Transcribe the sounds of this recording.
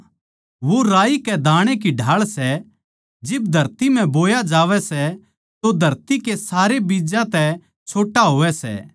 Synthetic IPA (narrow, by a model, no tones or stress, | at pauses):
ʋoɾaːikɛd̪ʱaːɽ̃ek̬iɖʱaːɭsɛ | d͡ʒɪbd̪ʱɐɾt̪im̤ɛ̃boːjad͡ʒaːʋɛsɛ | t̪od̪ʱɐɾt̪ikesaːɾebiːd͡ʒãt̪ɛ | t͡ʃʰoːʈaɦoːʋɛsɛ̰ː